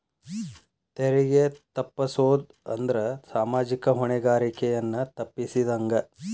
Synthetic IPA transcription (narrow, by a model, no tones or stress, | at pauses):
t̪eɾiɡet̪ɐpːɐsoːd̪ | ɐ̰nd̪ɐɾɐsaːmaːd͡ʒikɐɦuɳɛɡaːɾikɛjɐnːɐt̪ɐpːisid̪ɐŋɡɐ